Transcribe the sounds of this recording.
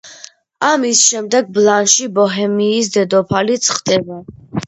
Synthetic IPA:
amisʃɛmd̪ɛɡ̚blˠanʃibɔɦɛmiːsd̪ɛd̪ɔpʰalit̪sʰχd̪ɛba

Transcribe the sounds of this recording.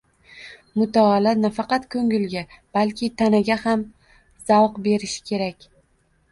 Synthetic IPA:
mʊt̪ʰaːlanafɑqɑt̪kʰɵŋɪlɡʲab̥alkʲʰɪt̪ʰanaɡʲaham | z̥awqbe̞ɾɪʃɪ̥kʲʰe̞ɾakʲ

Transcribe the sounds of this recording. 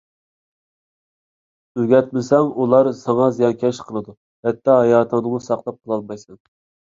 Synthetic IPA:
øɡʲɛt̪̚mɪsɛŋulˠɑɾsɑŋɑzijɑŋkʲʰɛʃqʰəlˠɨd̪u | hɛt̪ːɑɦɑjɑːt̪ʰɑd̪ɨŋʊsɑqlˠɑp̚qʰəlˠɑlˠmɑjsɛŋ

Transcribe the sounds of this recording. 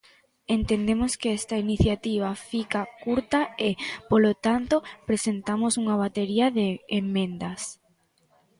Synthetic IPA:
ent̪end̪emoskeɛst̪ɐiniθjat̪iβ̞afikakuɾt̪ɐepolot̪ant̪opɾesent̪amosuŋaβ̞at̪eɾiɐðeːmːẽnd̪ɐs

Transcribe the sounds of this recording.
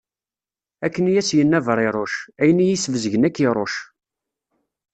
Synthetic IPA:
ækːənjæsjənːævəɾˤɪɾˤoʃæjənijisvəzəʝənækːiɾˤoʃ

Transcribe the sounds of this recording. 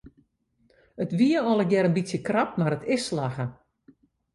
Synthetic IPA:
ətʋiəɔlˠəɡjɛɾənbisjəkrap̚maɾətʰɪsːlaɣə

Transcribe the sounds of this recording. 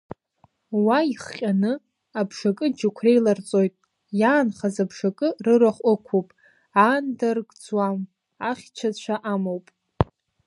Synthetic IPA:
waiχqʲʼanɨ | abʂakʼɨd͡ʒakʷʰre̞jlart͡sʼo̞jtʼ | jaːnχazabʂakʼɨrɨɾaχʷʼʊkʷʰowpʼ | andarɡʼd͡zwam | aχʲt͡ʃʷʰat͡ɕʷʰaʔamowpʼ

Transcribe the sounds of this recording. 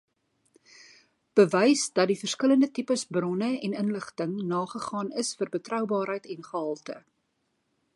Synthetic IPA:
b̥əvɛjsdɐt̚difərskələndətipəsbrɔnəɛnənləχtəŋnɑːχəχɑːnəsfərbətrœwbɑːrɦəjtɛnχəɦɐlˠtə̰

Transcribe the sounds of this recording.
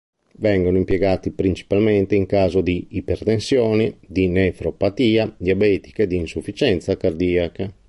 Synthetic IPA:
vɛŋɡonoimpjɛɡaːt̪ipɾint͡ʃi̥palmɛnt̪eiŋkaːzod̪iːpɛɾt̪ensjɔːnid̪inɛfɾopat̪iːad̪iabɛːt̪i̥ked̪iːnsufːit͡ʃɛnt̪sakaɾd̪iːaka

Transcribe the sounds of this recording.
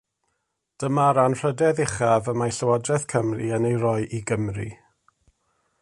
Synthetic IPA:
d̥əmaɾanr̥ədɛðɪχavəmaɬəwadrɛθkʰəmriənejrɔjʔiɡəmrḭ

